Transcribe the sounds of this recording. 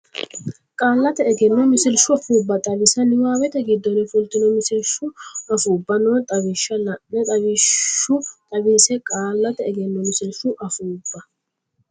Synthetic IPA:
kʼaːlːɐt̪ɛːɡɛnːɔmɪsɪlʃʊɐfuːbːɐt̪ʼɐbɪsɐnɪwaːwɛt̪ɛɡɪd̪ːɔnɪfʊlt̪ːɪnɔmɪsɪlʃʊɐfuːbːɐnɔt̪ʼɐβɪʃːɐnɐɛt̪ʼɐbɪʃʊt̪ʼɐbiːsɛkʼaːlːɐt̪ɛːɡɛnːɔmɪsɪlʃʊʔɐfuːbːɐ

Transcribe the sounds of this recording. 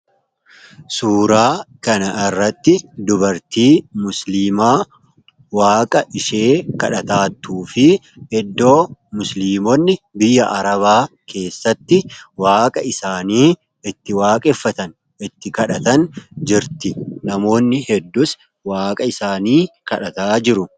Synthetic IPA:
suːɾaːkɐnɐʔɪrːɐt̪ːɪd̪ʊbɐɾt̪iːmʊsliːmaː | waːkʼɐʔɪʃe̞ːkɐᶑɐt̪aːt̪ːuːfɪ | ɛd̪ːo̞ːmʊsliːmɔnːɪbɪjːɐʔɐɾɐβaːkʰe̞ːsːɐt̪ːɪwaːkʼɐɪsaːniː | ɪt̪ːɪwaːkʼɛfːɐt̪ɐn | ɪt̪ːɪkɐᶑɐt̪ɐnd͡ʒɪɾt̪ɪnɐmo̞ːnːɪhɛd̪ːʊs | waːkʼɐɪsaːniːkɐᶑɐt̪aːd͡ʒɪɾʊ

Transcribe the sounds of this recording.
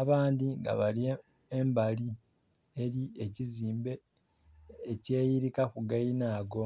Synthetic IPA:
aβaːndiŋɡa̰βaliembalieɾieciziːmbeː | ce̞ːjiɾikakuɡajinaːɡo̞

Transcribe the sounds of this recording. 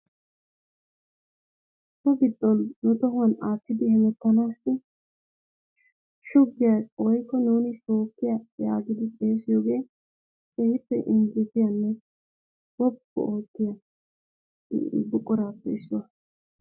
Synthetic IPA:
t̪ːɔɡɪd̪ːɔnːʊt̪ɔhʊwɐnaːt̪ːɪd̪ɪhɛnɛtːɐnaːsːɪ | ʃʊɡːɪjaswɔjkːɔnuːnɪso̞ːkːɪjɐja̰ːɡɪd̪ɪpʼe̞ːsɪjoːɡe̞ː | sɛhɪpːɛʔɪnd͡ʒɪt̪ɪjɐnːɛ | wɔbːɔ̰ʔoːt̪ːɪjɐ | bʊkʼːɔɾaːpːɛɪsːʊwɐ

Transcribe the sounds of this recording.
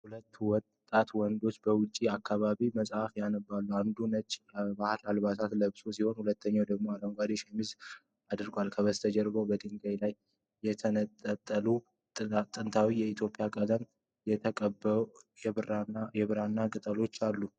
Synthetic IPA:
hulət̪ːwɔt̪ʼːat̪wɔnd̪o̞t͡ʃːbəwʊt͡ʃʼːiakːaβaβiməsʼhafjanəbalːuand̪unət͡ʃʼːbahlalβat̪ʰat̪ləβsosiho̞nhulət̪ʰːəɲːawd̪əɡmo̞aləŋɡʷad̪iʃɛmiz | ad̪ɨɾɡwalkʰəβəst̪ʰəd͡ʒɛɾbəwbəd̪iŋɡajlajː | ɛt̪ʰənət̪ʼːət̪ʼːəlu | t̪ʼɨnt̪ʰawijɛit̪ʰjo̞pʼɪjakʼələn | jɛt̪ʰəkʼəbːə | jɛβɨɾanːakʼɨt̪ʼəlo̞t͡ʃːalːu

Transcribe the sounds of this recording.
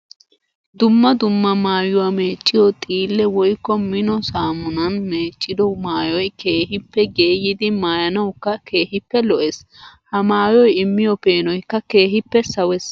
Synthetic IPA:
d̪ʊmːɐd̪ʊmːɐmaːjʊwaːmeːt͡ʃʼːɪjɔt̪ʼiːlːɛwɔjkːɔmɪnɔsaːmʊnɐnme̞ːt͡ʃʼːɪd̪ɔmaːjɔjke̞ːɦɪpːɛɡe̞ːjɪd̪ɪmaːjɐnɐwkːɐke̞ːhɪpːɛlɔʔeshɐmaːjɔjɪmːɪjɔpe̞ːnɔjkːɐke̞ːɦɪpːɛsɐwɛs

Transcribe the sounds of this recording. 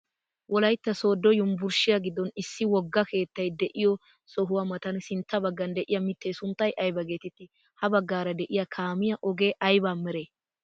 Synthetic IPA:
wɔlɐjt̪ːɐso̞ːd̪ːɔjʊmbʊɾʃɪjɐɡɪd̪ːɔnɪsːɪwɔɡːɐke̞ːt̪ːɐjd̪ɛʔɪjɔ | sɔɦʊwamɐt̪ɐnsɪnt̪ːɐbɐɡːɐnd̪ɛʔɪjɐmɪt̪ːɛjsʊnt̪ːɐjʔɐjbɐɡe̞ːt̪ɪt̪ːɪ | hɐbɐɡːaːɾɐd̪ɛʔɪjɐkʰaːmɪjɐʔɔɡe̞ːʔɐjbaːmɛɾe

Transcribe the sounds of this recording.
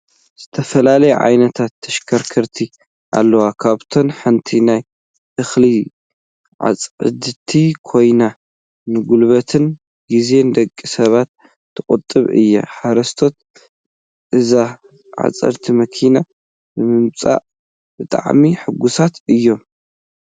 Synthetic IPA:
z̥ɨt̪ʰɐfɐlalɐjuʕa̰jnɐt̪ʰat̪ʰːɐʃkʰɐɾkʰɐɾt̪ʰi | ʔa̰lːɐwakʰaβt̪ʰo̞nħɨnt̪ʰinaj | ʔɨxli | ʕa̰t͡sʼʕɨ̰d̪ɨt̪ʰikʰo̞jna | nɨɡulβɐt̪ʰɨn | ɡize̞nd̪ɐkʼːisɐβat̪ʰː | ɨkʼɨt̪ʼːɨβɨ̰jːɐ̰ħaɾɐst̪ʰo̞t̪̚ | ʔɨza | ʕa̰t͡sʼɐ̰ɾt̪ʰimɐkʰina | bɨmɨmt͡sʼa̰ʔ | bɨt̪ʼa̰ʕmiħɨɡusat̪ɨjːo̞m

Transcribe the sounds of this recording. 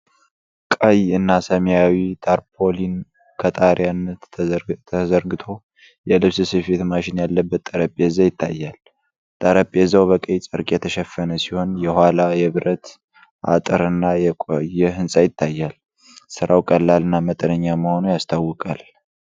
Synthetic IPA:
kʼəjɨnːasəmjawit̪ʰaɾpʰolin | kʰət̪ʼaɾjanːət̪ʰəzəɾɡɨt̪ʰo̞ | jɛlɨβsɨsɨfet̪maʃɪnjalːəbːət̪ʼːəɾəpʼezajɪt̪ʰːa̰jːal | t̪ʼəɾəpʼezawβəkʼəjt͡sʼɨɾkʼjɛt̪ʰəʃɛfːənəsiho̞njɛhʷwalajɛβɨɾət̪ | ʔa̰t̪ʼɨɾɨnːajɛkʼojːɛɦɨnsʼajɪt̪ʰːajːal | sɨɾʔawkʼəlːalɨnːamət̪ʼənəɲːaməho̞nujast̪ʰawːɨkʼal

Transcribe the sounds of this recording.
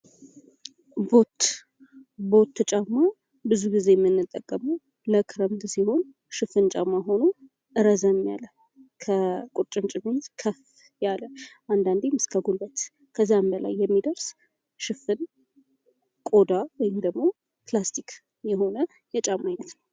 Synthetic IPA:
bo̞t̪ | bo̞t̪ʰːɨt͡ʃʼamːa | bɨzuɡize̞jɛmːɨnːɨt̪ʼːəkʼːəməw | ləkʰɨɾəmt̪siho̞n | ʃɨfɨnt͡ʃʼamaɦo̞nu | ʔɨɾəzamːja̰lə | kʰəkʼut͡ʃʼɨnt͡ʃʼɪmenkʰəf | jaləʔand̪and̪emɨskʰəɡulbət̪ | kʰəzːambəla̰jːɛmːid̪əɾs | ʃɨfɨn | kʼo̞d̪awɔjɪmd̪əɡmo̞ | plast̪ʰik | jɛho̞nə | jɛt͡ʃʼamajnət̪nəw

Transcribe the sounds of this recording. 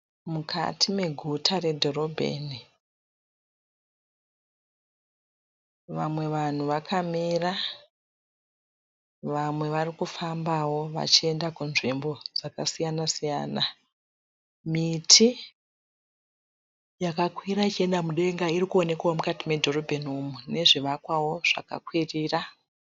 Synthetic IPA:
mukʰa̰tʰime̞ɡʱutʰare̞dʱo̞ro̞bʱḛːni | ʋamwe̞ʋan̤uʋakʰamira | ʋamwe̞ʋarikufambawo̞ʋa̰t͡ʃie̞ndakunʐimbo̞d͡zakasijanasija̰ːna | mitʰi | jakakwiɾait͡ʃie̞ndamuɗe̞ŋɡairikuo̞ne̞kaomukatime̞dʱo̞ro̞bʱe̞numune̞ʐiʋakwawo̞ʐ̥a̰ka̰kwiriːra

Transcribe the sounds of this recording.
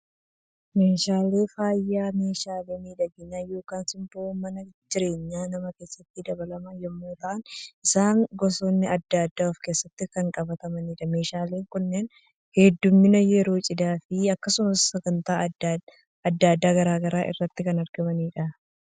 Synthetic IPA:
me̞ːʃaːle̞ːfaːjːaːme̞ːʃaːleːmiːᶑɐɡɪnajo̞ːkaːnsɪmt̪omɐnɐd͡ʒɪɾe̞ːɲːaːnɐmɐke̞ːsːɐt̪ːɪd̪ɐbɐlɐmɐjɛmːoːt̪ɐʔɐnɪsaːŋɡɔsoːnːɪɐd̪ːaːd̪ːaːɔfke̞ːsːɐt̪ːɪkɐŋkʼɐbɐt̪ɐmɐniːᶑɐme̞ːʃaːle̞ːŋkʊnːeːn | hɛd̪ːʊmːɪnɐjɛɾo̞ːt͡ʃʼɪd̪aːfɪɐkːɐsʊmɐsːɐɡɐnt̪aː | ɐd̪ːad̪ːaːɡɐɾaːɡɐɾaːʔɪ̰rːɐt̪ːɪkɐnɐɾɡɐmɐniːᶑɐ

